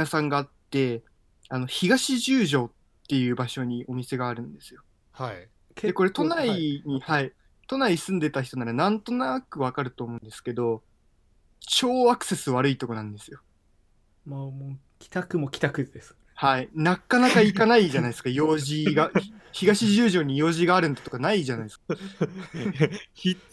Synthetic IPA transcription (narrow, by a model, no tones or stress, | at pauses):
nasãŋɡaːt̪ːe̞ | ano̞çiɡaɕiʑɨːʑo̞ːtːe̞jɯ̟ːbaɕo̞ɲ̟io̞mʲise̞ɡaːɾɯ̟̃nd̪e̞sɨjo̞ | h | deko̞ɾe̞t̪o̞naiɲ̟ihai | t̪o̞naisɨ̃nd̪e̞t̪aç̬i̥t̪o̞naɾanãnt̪o̞nakɯ̟β̞akaɾɯ̟t̪o̞ːmo̞ɯ̃nd̪e̞sɨ̥ke̞d̪o̞ | t͡ɕo̞ːakɯ̟̥se̞sɨβaɾɯ̟it̪o̞ko̞nãnd̪e̞sɨjo̞ | momo | kʲi̥t̪akɯ̟mokʲi̥t̪akɯ̟d̪esɨ̥ | hainakːanakaikanaiʑanaid̪sɨ̥kajo̞ːʑiɡaççiɡaɕiʑɨːʑo̞ːɲ̟ijo̞ːʑiɡaːɾɯ̟̃nd̪at̪o̞kanaiʑanaid̪sɨ̥kḁ | i